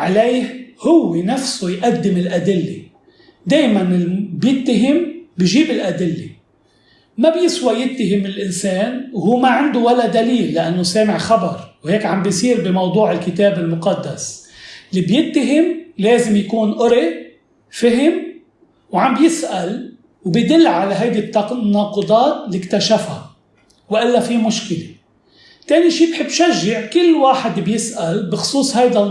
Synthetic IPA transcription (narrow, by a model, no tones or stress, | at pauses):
ʕalejhhʊwːenafsujʔad̪ːɪmɪlʔad̪ɪlːḛ | d̪eːjmanɪbjɪt̪ːaɦɪmbɪjʒiːbɪlʔad̪ɪlːe | mabjɪswajɪt̪ːaɦɪmːɪlʔɪnseːnwhuːmaʕɪnd̪uwalːad̪aliːlːaʔanːoseːmɪʕxabɑɾˤwheːkʕambjsˤiːɾbɪmɑwd̪ˤuːʕɪlkɪt̪eːbɪlmʊqɑd̪ːaslːiːbjɪt̪ːaɦɪmleːzɪmjakuːnʔʊɾi | fɪɦɪm | wʕambjɪsʔal | wbɪjd̪ɪlːʕalaɦajd̪it̪ːɑnɑːqɨd̪ˤɑːt̪likt̪aʃafha̰ | wʔɪlːafimʊʃkɪle | t̪eːniʃiːbħɪbːʃaʒːɪʕkɪlːwaːħɪd̪bjɪsʔalbɪxʊ̥sˤuːsˤhajd̪a